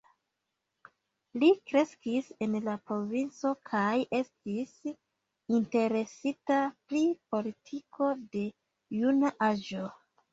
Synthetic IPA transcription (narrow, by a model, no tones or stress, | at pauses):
likɾe̞skise̞nlapɾo̞vint͡so̞kʰajʔe̞stis | inte̞ɾe̞sitapɾipo̞litʰikʰo̞de̞ | junaʔaʒo̞